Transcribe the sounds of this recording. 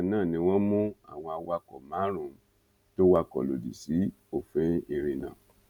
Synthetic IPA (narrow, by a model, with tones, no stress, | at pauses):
nãː˦˨nĩ˧w̃ɔ̃˦mũ˦a̰˦˨w̃ɔ̃˧a˧wa˧kɔ̰˨mã˨˦ɾ̃ũ˨˦ | to˦wa˧kɔ̰˨lo̰˨dḭ˨si˨˦ | o˦˨fɛ˦i˧ɾe˧nã̰˨